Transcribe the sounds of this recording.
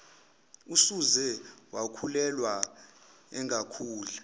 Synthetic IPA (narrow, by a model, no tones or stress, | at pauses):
usuzɛwakʰulɛlwa | ɛŋʱakʰuːlu